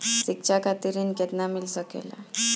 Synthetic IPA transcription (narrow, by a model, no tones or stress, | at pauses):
sik̚t͡ɕʰakʰat̪iɾiːnkɛt̪namilsəkḛla̰